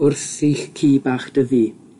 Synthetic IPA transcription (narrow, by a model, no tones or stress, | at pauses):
ʊrθɪɬkʰiːbaːχd̥əviː